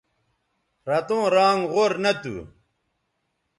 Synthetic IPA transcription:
ɾɐt̪õːɾaːŋʁoɾnɐt̪ṵ

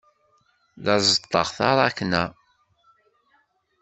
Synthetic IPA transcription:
ðɑzət̪ˤːəʁθɑɾˤɑkːnæ

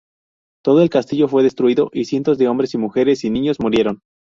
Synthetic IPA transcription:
t̪o̞ðo̞e̞lkast̪iʝo̞fwe̞ð̞e̞st̪ɾuiðo̞ʔisje̞nt̪o̞zðe̞o̞mbɾe̞simuxe̞ɾe̞sinĩɲo̞zmuɾje̞ɾo̞n

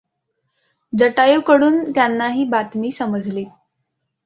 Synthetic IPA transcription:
d͡zəʈajukəɽuːnt̪janːaɦiːbat̪miːsəməd͡zʱliː

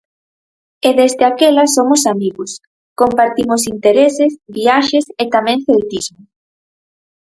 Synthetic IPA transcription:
eðezðeakelɐsomʊsamiɣʊs | kompaɾt̪imʊsint̪eɾesɪsβiaʃeset̪amẽŋθelt̪izmʊ

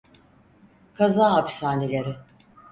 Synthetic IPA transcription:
kʰazaːɦapsaːnelʲeɾɪ

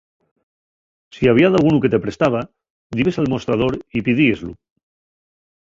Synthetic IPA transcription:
siaβiaðalɣunuke̞t̪epɾe̞st̪aβ̞a | d̪iβesalmo̞st̪ɾað̞oɾipið̞iezlṵ

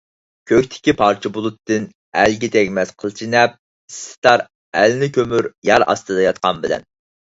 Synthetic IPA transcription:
kʲʰøkʲt̪ʰɪ̥kʲipʰɑɾt͡ʃʰibulˠut̪ːɨn | ælɡʲit̪ʰɛkʲmɛsqʰəlˠt͡ʃʰinɛp̚ | issɪ̥t̪ʰɑɾ | ælnɪkʲømyɾjɑɾɑ̰st̪ɨd̪ɑjɑt̪̚qɑnbɪlɛ̰n

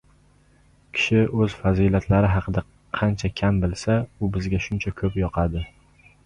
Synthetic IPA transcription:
kʲʰɪ̥ʃɪɵz̥fazilat̪ʰlaɾɪɦɑqʰɨd̪a | qʰɑnt͡ʃʰakʲʰambɪlsaʊbɪzɡʲaʃʊnt͡ʃʰakʲʰɵpjɒqʰɑd̪ɪ

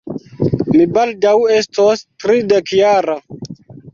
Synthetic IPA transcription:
mibaldawe̞stostɾidekjaɾa

